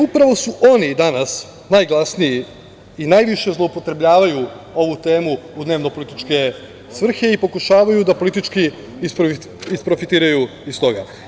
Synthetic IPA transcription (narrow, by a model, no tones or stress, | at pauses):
upɾaʋo̞suʔo̞nid̪anas | najɡlˠasnii | inajʋiʃe̞zlˠoupo̞t̪ɾe̞bʎʲaːʋaju | o̞ʋut̪e̞ːmuːd̪ne̞ːʋno̞po̞lit̪it͡ʃke̞ | sʋr̩xe̞ipo̞kuʃaːʋajud̪apo̞lit̪̬it͡ʃki | ispɾoi | ispɾo̞fit̪iːɾajuist̪o̞ɡa̰